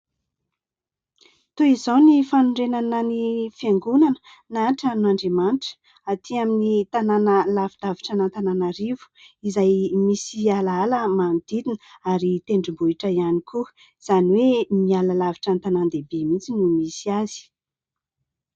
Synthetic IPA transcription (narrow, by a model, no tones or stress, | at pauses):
t̪oizownifanuɳɖ͡ʐenanənifeŋɡunanə | naʈ͡ʂanuaɳɖ͡ʐemanʈ͡ʂə̥ | at̪ʰiaminit̪ananəlavid̪aviʈ͡ʂənant̪ananaɾivu̥izajmisialaaləmanid̪̥id̪inəaɾit̪eɳɖ͡ʐimbuiʈ͡ʂəianikuə | z̥aniwemialəlaviʈ͡ʂant̪anand̪ebemit͡sinumisiaz̥i̥